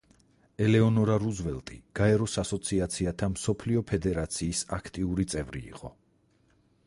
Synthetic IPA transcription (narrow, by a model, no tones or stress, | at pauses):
ɛlɛɔnɔɾaɾuzvɛlˠt̪ʼiɡ̥aɛɾɔsasɔt̪sʰiat̪sʰiat̪ʰamsɔpʰliɔpʰɛd̪ɛɾat̪sʰiːsakʰt̪ʼiuɾit̪sʼɛvɾḭːqʼɔ